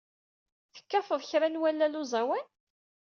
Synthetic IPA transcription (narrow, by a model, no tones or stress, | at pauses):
θə̥kːæfəðˤçɾanwælːælʊzˤæwæn